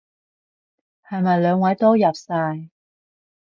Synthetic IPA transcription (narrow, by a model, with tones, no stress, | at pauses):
hɐ˨jmɐ˨jlœː˨˧ŋwɐ˨˥jt̪ɔː˥jɐ˨p̚saː˧j